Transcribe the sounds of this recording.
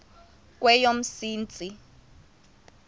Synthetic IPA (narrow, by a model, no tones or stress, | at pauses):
k̬wɛjom̩siːnt͡sʼi